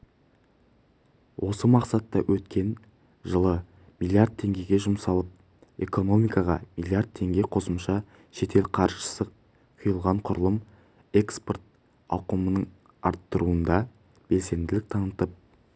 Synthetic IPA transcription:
wʔo̞səmɑqsɑt̪ːɑwʔɵt̪kʲe̞n | ʒəlˠə | milˠiard̪̚t̪ʰːe̞ŋɡʲe̞ɡʲe̞ʒʊmsɑlˠəp̚ | e̞ko̞no̞mijkɑʁɑ̰milˠjaɾd̪̚t̪ʰe̞ŋɡʲe̞qʰo̞səmʃɑ | ʃe̞t̪ʰe̞lqʰɑɾʒəsə | qʰʊjəlˠʁɑɴqʰʊɾəlˠəm | e̞ksport̪̚ | ɑ̰qəmənəɴ | ɑ̰ɾt̪ːəɾuənd̪ɑ | b̥e̞lse̞nd̪ɪlɪk̚t̪ʰɑnət̪əp̚

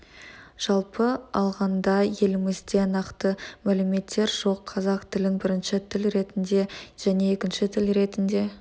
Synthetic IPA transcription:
ʒ̥ɑlˠpəɑlˠʁɑnd̪ɑje̞lɪmɪzd̪e̞nɑqt̪əmælɪme̞t̪ʰːe̞ɾʒo̞qʰːɑzɑqt̪ʰɪlɪnbɪɾɪnʃɪt̪ʰɪlɾe̞t̪ɪnd̪e̞ʒ̥æne̞ekʲɪnʃɪt̪ʰɪlɾe̞t̪ɪnd̪e̞

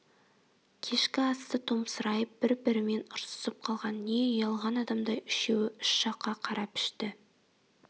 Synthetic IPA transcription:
kʲʰe̞ʃkʲɪɑst̪ət̪ʰomsəɾɑjəp̚b̥ɪɾbɪɾɪme̞nʊɾsə̥səp̚qʰɑlˠʁɑnːeɑjɑlˠʁɑnɑd̪ɑmd̪ɑjʏʃewɪʏʃʃɑqːɑqʰɑɾʔɑpʏ̥ʃt̪ɪ

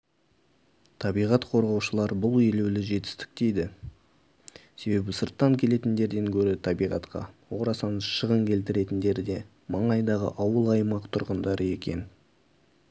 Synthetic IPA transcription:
t̪ʰɑbijʁɑt̪qʰo̞ɾʁɑwʃəlˠɑɾbʊlˠelewlɪʒe̞t̪ɪ̥st̪ɪ̥k̚t̪e̞jd̪ɪ | se̞be̞bɪsəɾt̪ːɑŋkʲʰe̞le̞t̪ɪnd̪e̞ɾd̪e̞ŋkʲʰɵɾɪt̪ʰɑbijʁɑ̰t̪qɑ̰woɾɑsɑnəʃəʁəŋkʲʰe̞lt̪ɪɾe̞t̪ɪnd̪e̞ɾd̪e̞ | mɑɴɑjd̪ɑʁə̰ʔɑwəlˠɑjmɑqt̪ʰʊɾʁənd̪ɑɾʔəe̞kʲe̞̰n

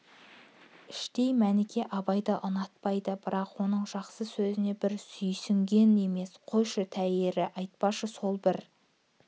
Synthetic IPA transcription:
ɪʃt̪e̞jmænɪkʲʰe̞ʔɑbɑjd̪ɑʔənɑt̪̚pɑjd̪əbɪɾɑqwo̞n̪əɴʒ̥ɑqsəsɵzɪne̞bɪɾsʏjsʏŋɡʲe̞ne̞me̞sqʰojʃət̪ʰæjeɾɪʔɑjt̪̚pɑʃəso̞lˠbɪɾ

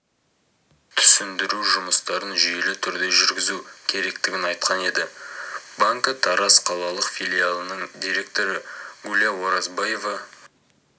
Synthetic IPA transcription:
t̪ʰʏ̥sɪnd̪ɪɾuʒʊməst̪ɑɾənʒije̞lɪt̪ʰʏɾd̪e̞ʒʏɾɡʲɪzukʲʰe̞ɾe̞kt̪ɪɡʲɪnɑjt̪qʰɑne̞d̪ɪbaŋkət̪ʰɑɾɑsqʰɑlˠɑlˠəqfʲilʲijalˠənəɴd̪iɾʲe̞k̚t̪o̞ɾəɡulʲijawo̞ɾɑzbɑje̞vɑ

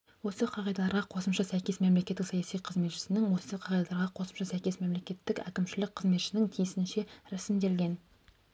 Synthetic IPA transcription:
wo̞səqʰɑʁɑjd̪ɑlˠɑɾʁɑqʰo̞səmʃɑsæjkʲe̞sme̞mle̞kʲe̞t̪ːɪksɑjɑsijqʰəzme̞t̪ʃɪ̥sɪnɪŋwo̞səqʰɑʁɑjd̪ɑlˠɑɾʁɑqʰo̞səmʃɑsæjkʲe̞sme̞mle̞kʲe̞t̪ːɪkæ̰kʲɪmʃɪlɪk̚qʰəzme̞t̪ʃɪnɪŋt̪ʰijɪsɪnʃe̞ɾæsɪmd̪e̞lɡʲe̞n

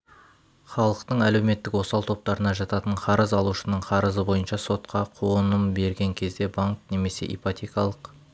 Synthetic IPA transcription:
χɑlˠəqt̪əɴæle̞wme̞t̪ːɪkwo̞sɑlˠt̪ʰo̞p̚t̪ɑɾənɑʒɑt̪ɑt̪əɴqʰɑɾəzɑlˠuʃənəɴqʰɑɾəzəbo̞jənʃɑso̞t̪qɑqʰoənəmbe̞ɾɡʲeŋkʲʰe̞zd̪e̞baŋkne̞me̞se̞̰ʔijpat̪ʲekɑlˠəq

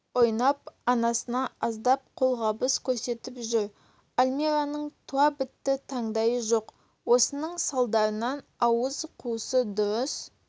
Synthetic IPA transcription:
wo̞jnɑp̚ɑnɑsənɑɑzd̪ɑp̚qʰo̞lˠʁɑbəskʲʰɵɾse̞t̪ɪpʒʏɾ | alʲmʲeɾanəɴt̪ʰuɑbɪt̪ːɪt̪ʰɑɴd̪ɑjəʒoq | wo̞sənəɴsɑlˠd̪ɑɾənɑnɑwəzqʰuəsəd̪ʊɾəs

